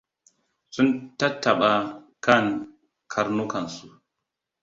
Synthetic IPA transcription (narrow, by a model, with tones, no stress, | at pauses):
su˦nta˦tːa˨ɓa˦ | ka˦˨ŋ | kʰa˦ɾnu˦ka˨nsu˨